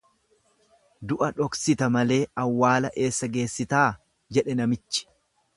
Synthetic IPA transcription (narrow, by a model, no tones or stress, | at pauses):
d̪ʊʔɐᶑɔksɪt̪ɐmɐle̞ːɐwːaːlɐʔe̞ːsːɐɡe̞ːsːɪt̪aː | d͡ʒɛᶑɛnɐmɪt͡ʃːɪ̥